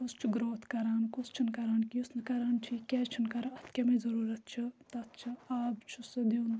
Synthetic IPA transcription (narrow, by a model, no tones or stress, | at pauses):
ust͡ʃʰiɡɾoːt̪kɐɾaːnkust͡ʃʰinkɐɾaːnkiusnɨkɐɾaːnt͡ʃʰikʲɛt͡ʃʰinkɐɾɐɐt̪ʰkʲɐmezɐɾuːɾɐt̪̚t͡ʃʰit̪ɐt̪̚t͡ʃʰiaːbt͡ʃʰusd̪en